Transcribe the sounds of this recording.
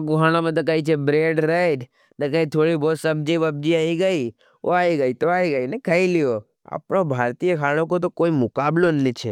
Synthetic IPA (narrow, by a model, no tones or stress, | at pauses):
kuɦaɽ̃omət̪̬əkəit͡ʃʰebɾeɖɾəjɖ | nəkəit̪ʰoɽibosəbd͡ʒibəb̚d͡ʒiaiɡəi | o̰aiɡəit̪oaiɡəinekʰəilijo | a̰pɳobʱaɾt̪ijəkʰaɽ̃ok̬ot̪̬okoimʊkablonːit͡ʃʰe